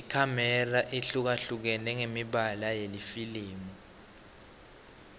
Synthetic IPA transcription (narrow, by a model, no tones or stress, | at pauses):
ikʰamɛraʔiɬuk̬aɬuk̬ɛnɛŋemiɓalajelifiliːmu